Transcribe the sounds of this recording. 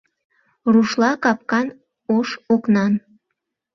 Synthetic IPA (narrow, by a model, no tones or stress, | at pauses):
ruʃlɑkɑp̚kɑn | oʃoknɑn